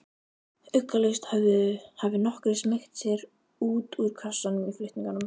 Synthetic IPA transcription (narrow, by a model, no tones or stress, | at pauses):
ʏkːalest̪haʏhavɪnɔhkɾɪsmɪxt̪sjɛɾ | uːt̪uɾ̥kʰasːanʏmiflʏht̪niŋkanʏm